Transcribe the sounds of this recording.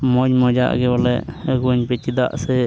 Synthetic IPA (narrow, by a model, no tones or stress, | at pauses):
mɔɲmɔd͡ʒa̰ʔɡɛbalɛʔəɡuɲpɛt͡ʃid̪aʔsɛ